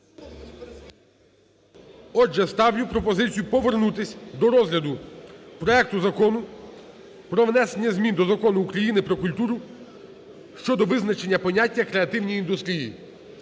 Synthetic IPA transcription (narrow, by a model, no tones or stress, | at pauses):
ɔd͡ʒɛst̪ɑwjupɾɔpɔzɪt͡sʲijupɔʋernut̪ɪsʲd̪ɔɾɔzɦlʲɐd̪ʊpɾɔɛk̚t̪ʊzɐkɔnʊ | pɾɔʋnɛsenʲːɐzʲmʲind̪ɔzɐkɔnʊːkɾɐjinɪpɾɔkʊlʲt̪uɾʊ | ʃt͡ʃɔd̪ɔʋɪznɐt͡ʃe̞nʲːɐpɔnʲatʲːɐkɾeɐt̪ɪwnʲijːnd̪ʊst̪ʲɾʲijḭ